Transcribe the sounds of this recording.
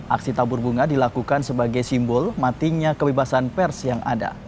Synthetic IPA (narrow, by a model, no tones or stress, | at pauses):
ʔaksit̪abʊrbuŋadilakukansəbaɡajsimbɔlmat̪iɲakəbebasanpɛrsjaŋʔa̰da̰